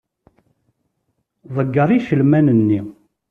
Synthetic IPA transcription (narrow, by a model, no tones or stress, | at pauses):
ðˤəɡːəɾˤiʃəlmænənːi